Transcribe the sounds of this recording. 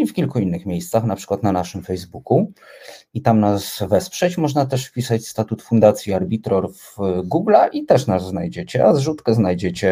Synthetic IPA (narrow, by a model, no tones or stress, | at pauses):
ifkʲilkuinːɘxmʲejst̪saxnapʂɘ̥kwat̪nanaʂɘmfɛjzbuku | it̪amnasvɛspʂɛt͡ɕmɔʐnat̪ɛʂfpʲisat͡ɕst̪at̪ut̪fund̪at̪sʲjiaɾbʲit̪ɾɔɾvɡuɡlaʔit̪ɛʂnazːnajd͡ʑet͡ɕɛazʐut̪kɛznajd͡ʑet͡ɕɛ